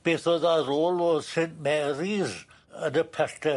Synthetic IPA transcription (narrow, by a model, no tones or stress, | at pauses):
b̥eːθɔðaroːlɔsenʔmɛɾiɾ | ənəpʰɛrtʰə